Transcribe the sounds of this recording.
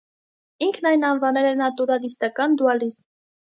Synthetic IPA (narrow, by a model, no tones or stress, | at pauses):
iŋkʰnɑjnɑnvɑnɛɾɛnɑt̪uɾɑlist̪ɑkɑnd̪uɑlizm